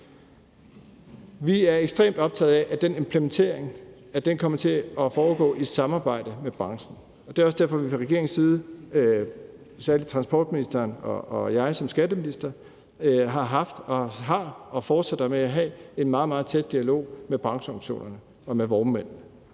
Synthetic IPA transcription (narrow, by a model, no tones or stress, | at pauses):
ʋiæɐeɡ̥sd̥ʁḛːmd̥ɒ̽b̥t͡sʰɛ̰ð̩ˠɛʔæd̥ene̝mpʰlement͡sʰe̝̰ɐ̰eŋ | æd̥enkʰɒ̽m̰ɐt͡sʰe̝ɒfɒːɡ̥ɔ̰̽ːʔisɑ̈mɑ̈ːb̥ɑ̈ɪ̰d̥əmeb̥ʁɑ̈ŋsn̩ | ɒd̥e̝æɒsd̥æɐ̰fɒ̽ʋipʰɒ̽ʁɛɡ̥e̝ɐ̰eŋ̩siːð̞ˠə | sæɐli̥t͡sʰʁɑ̈nsb̥ɒ̰ːd̥̚minisd̥ɐnɒ̽ːjɑ̈ɪsɒ̽msɡ̥æd̥əminisd̥ɐ | ɦɑ̈ɦɑ̈fd̥ɒ̽ɦɑ̈ɒ̽fɒːd̥sed̥ɑmeæɦɛe̝nmɑ̈ːð̩ˠmɑ̈ːð̞̩ˠt͡sʰed̥̚d̥iælo̝̰ːmeb̥ʁɑ̈ŋsəɒŋɕo̝̰ːnɐnə | ɒ̽meʋɒʊmːen̰n̩